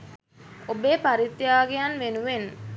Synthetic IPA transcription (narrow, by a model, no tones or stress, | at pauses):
obeːpaɾit̪ːjaːɡejanʋenuʋen